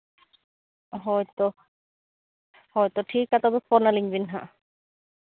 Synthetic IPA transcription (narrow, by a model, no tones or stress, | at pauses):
ɦɔjt̪o | hɔjt̪ɔʈʰikat̪ɔbefɔnaliŋbinɦa̰